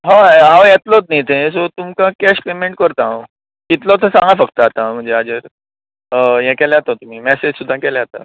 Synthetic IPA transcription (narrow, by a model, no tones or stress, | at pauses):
ɦãaʋjɛt̪lɔt̪̚nit̪ʰẽs̬ot̪umkãkɛɕpemeɳʈkəɾt̪ã | kit̪lɔt̪ʰəsãŋɡafəkt̪aːt̪ãm̤əɳd͡zead͡ʑəɾ | jɛ̃kɛlɛat̪at̪um̤iːmɛsed͡ʑsud̪ʱːãkɛlɛat̪a̰